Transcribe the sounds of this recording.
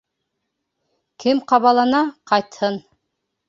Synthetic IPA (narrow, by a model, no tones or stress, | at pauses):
kɘmqɑβɑlˠɑnɑqʰɑjt̪hɤn